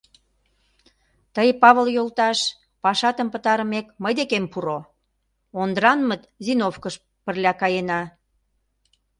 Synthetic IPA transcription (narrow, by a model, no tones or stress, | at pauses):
t̪əjpɑβəljolt̪ɑʃ | pɑʃɑt̪əmpət̪ɑɾə̆mekməjd̪ekempuɾo | ond̪ɾɑnmət̪zinofkəʃ | pərlʲɑkɑjenɑ